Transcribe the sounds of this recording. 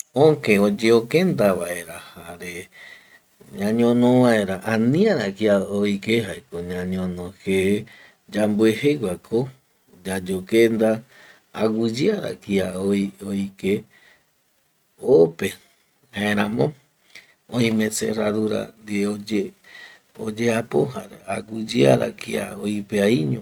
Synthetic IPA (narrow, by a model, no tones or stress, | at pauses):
õŋkeod͡ʒeokend̪aβaʔe̞ɾahaɾe | ɲãɲõnõʋae̞ɾaʔãnĩãɾakiaoikeɦaekoɲãɲõnõxe | d͡ʒambueheɡʷakʰo | d͡ʒad͡ʒokend̪a̰ː | ɡʷud͡ʒiaɾa̰kiaoioike | ope | haẽɾãmõ | õĩmẽ̞sḛraðuɾa̰nd̪eoe | od͡ʒeapoɦa̰ɾaaɡud͡ʒia̰ɾa̰kia̰oipeaiɲõ